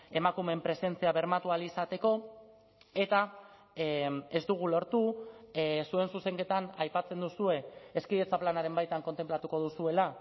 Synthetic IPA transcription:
e̞makume̞mpɾe̞se̞nt͡siaβe̞ɾmat̪ualisat̪e̞ko̞ | e̞t̪a | e̞zd̪uɣ̞ulo̞ɾt̪u | sue̞nsuse̞ŋke̞t̪anajpat͡se̞nd̪usue̞ːskiðet͡saplanaɾe̞mbajt̪aŋko̞nt̪e̞mplat̪uko̞ð̞usue̞la

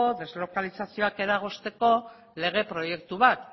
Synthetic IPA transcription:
oðe̞zlo̞kalisasio̞ake̞ɾaɣ̞o̞st̪e̞ko̞ | le̞ɣ̞e̞pɾo̞je̞kt̪uβat̪

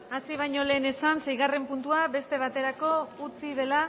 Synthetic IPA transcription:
asiβ̞ajɲo̞le̞ːne̞sansejɣare̞mpunt̪uaβe̞st̪e̞β̞at̪e̞ɾako̞ut͡sið̞e̞la

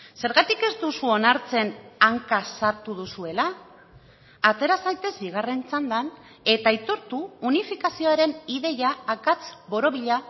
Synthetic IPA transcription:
se̞ɾɣat̪ike̞zd̪usuo̞naɾt͡se̞naŋkasaɾt̪uðusue̞la | t̪e̞ɾasajt̪e̞zbiɣ̞are̞nt͡sand̪an | e̞t̪ait̪oɾt̪uːnifikasio̞aɾe̞niðe̞jaːkat͡sbo̞ɾo̞β̞iʎa

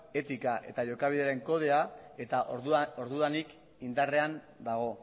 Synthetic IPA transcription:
e̞t̪ikaʔe̞̰t̪aʝo̞kaβ̞iðe̞aɾe̞ŋko̞ð̞e̞ae̞t̪aʔo̞ɾðuanik | ind̪are̞an | d̪aɣ̞o̞

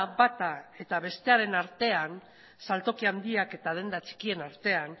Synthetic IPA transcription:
βat̪ae̞t̪aβe̞st̪e̞aɾe̞naɾt̪e̞an | salt̪o̞kiand̪iake̞t̪aðend̪at͡ʃi̥kie̞naɾt̪e̞an

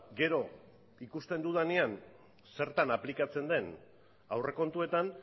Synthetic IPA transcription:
ɡe̞ɾo̞ | ikust̪e̞nd̪uðanean | se̞ɾt̪anaplikat͡se̞nd̪e̞n | awre̞ko̞nt̪ue̞t̪an

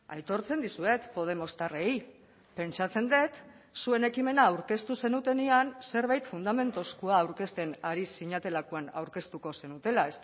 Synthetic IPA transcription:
a̰jt̪o̞ɾt͡se̞nd̪isue̞t̪po̞ð̞e̞mo̞st̪arej | pe̞nt͡sat͡se̞nd̪e̞t̪ | sue̞ne̞kime̞naːwɾke̞st̪use̞nut̪e̞nianse̞ɾβajt̪fund̪ame̞nt̪oskuaːwɾke̞st̪e̞naɾisːiɲat̪e̞lakuana̰wɾke̞st̪uko̞se̞nut̪e̞laes

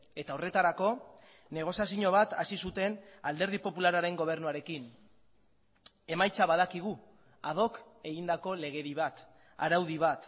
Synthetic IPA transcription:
e̞t̪aore̞t̪aɾako̞ | ne̞ɣ̞o̞sjas̬iɲo̞β̞at̪asisut̪e̞nald̪e̞ɾð̞ipo̞pulaɾaɾe̞ŋɡo̞β̞e̞ɾnuaɾe̞kin | e̞majt͡saβað̞akiɣ̞u | að̞o̞ke̞ɣind̪ako̞le̞ɣ̞e̞ɾiβat̪ | a̰ɾawð̞iβat̪

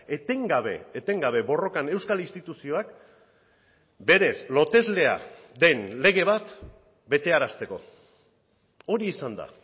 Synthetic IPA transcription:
e̞t̪e̞ŋɡaβe̞̰ːt̪e̞ŋɡaβ̞e̞βo̞ro̞kane̞wskalinst̪it̪usio̞ak | be̞ɾe̞slo̞t̪e̞zle̞a̰ | ðe̞nle̞ɣ̞e̞β̞at̪ | be̞t̪e̞aɾast̪e̞ko̞̰ | o̞ɾiːsand̪a̰

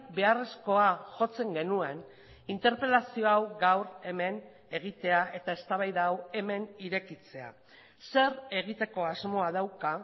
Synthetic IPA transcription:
be̞are̞sko̞aʝo̞t͡se̞ŋɡe̞nue̞n | int̪e̞ɾpe̞lasio̞awɡawɾe̞me̞n | e̞ɣ̞it̪e̞aʔe̞t̪ae̞st̪aβajðawe̞me̞niɾe̞kit͡se̞a̰ | se̞ɾe̞ɣit̪e̞ko̞azmo̞aðawka

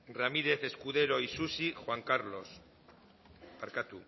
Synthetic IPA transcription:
ramiɾe̞θe̞skuðe̞ɾoisusixwaŋkaɾlo̞s | paɾkat̪u

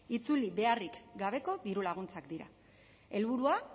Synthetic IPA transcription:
it͡suliβe̞arikɡaβ̞e̞ko̞ðiɾulaɣ̞unt͡sakd̪iɾa̰ | e̞lβuɾua

